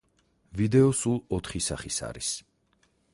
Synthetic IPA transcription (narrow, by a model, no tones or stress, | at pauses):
vid̪ɛɔsulˠɔt̪ʰχisa̰χisa̰ɾis